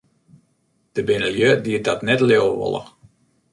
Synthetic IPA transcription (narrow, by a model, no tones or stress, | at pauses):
d̥əbɪnəljødiədɔtnɛtlewʋo̰lˠə̰